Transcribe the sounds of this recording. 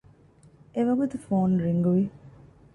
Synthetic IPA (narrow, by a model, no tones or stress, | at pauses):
eʋɐɡut̪ufoːnɾiŋɡuʋi